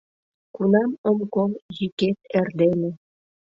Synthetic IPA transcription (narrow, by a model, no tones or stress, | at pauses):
kunɑməmkoljiket̪̚erd̪ene